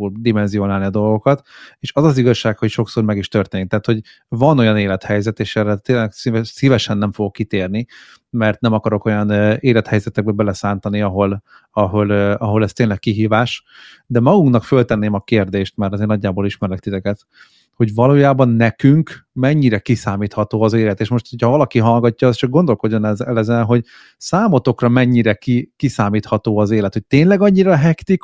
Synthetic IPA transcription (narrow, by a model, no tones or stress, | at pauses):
ud̪imɛnzio̞naːlniɒd̪o̞lɡo̞kɒt̪eːʃɒzɒziɡɒʃːaːkho̞cʃo̞ksoːrmɛɡiʃt̪ørt̪eːnikt̪aɦːt̪ho̞ɟ | vɒno̞jɒneːlɛt̪hɛjzɛt̪eːʃɛrːɛt̪eːnlɛɡsisivɛʃɛnːɛɱfo̞ɡo̞kːit̪eːrni | mɛrt̪nɛmɒkɒɾo̞ko̞jɒnøeːlɛt̪hɛjzɛt̪ɛɡ̚bɛbɛlɛsaːnt̪ɒniɒɦo̞l | ɒɦo̞løɒɦo̞lɛst̪eːnlɛkkiɦiːvaːʃ | d̪ɛmɒɡuŋknɒkfølt̪ɛnːeːmɒkeːrd̪eːʃt̪mɛrt̪ɒzeːrnɒɟːaːboliʃmɛɾɛkt̪it̪ɛkɛt̪ | ho̞ɟvɒloːjaːbɒnːɛkyŋkmɛɲːiɾɛkisaːmiːt̪hɒt̪oːɒzeːlɛt̪eːʃmoʃt̪hocʰhɒvɒlɒkiɦɒlɡɒcːɒːst͡ʃɒɡ̚ɡo̞nd̪o̞lko̞ɟːo̞nɛɛlɛzɛnɦo̞ɟ | saːmo̞t̪o̞krɒmɛɲːiɾɛkikisaːmiːt̪hɒt̪oːɒzeːlɛt̪hoc̚t̪eːnlɛɡɒɲːiɾɒɦɛkt̪ik